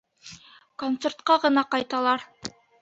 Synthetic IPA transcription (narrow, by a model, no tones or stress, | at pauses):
kont̪se̞rt̪̚qɑʁɤ̆nɑqɑjt̪ɑlˠɑɾ